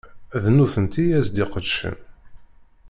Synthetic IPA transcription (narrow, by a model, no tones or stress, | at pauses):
ðnuθənt̪ijæzd̪iqəd̪ʃə̰n